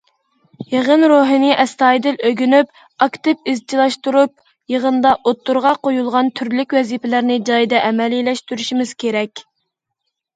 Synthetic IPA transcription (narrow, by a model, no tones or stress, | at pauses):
jeʁənɾoɦɨnɪʔɛst̪ɑːjd̪ɪløɡʲynyp | ɑkt̪ɪp̚ɪzt͡ʃʰilˠɑʃt̪uɾup̚ | jəʁənd̪ɑʔot̪ʰːuɾʁɑqojulˠʁɑnt̪ʰyɾlykʲwɛzipɛlæɾnɪd͡ʒɑjd̪ɛʔɛmɛlilɛʃt̪yɾyʃimɪz̥kʲʰeɾɛkʲ